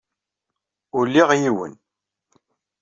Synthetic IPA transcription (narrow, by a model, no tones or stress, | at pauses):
ʊlːiʁjiwə̰n